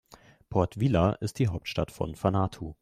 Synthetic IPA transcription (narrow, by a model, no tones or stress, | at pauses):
pʰɔɐtv̥ilaʔɪstd̥iːɦaʊp̚tʃtatfɔ̰nfanaːtʰo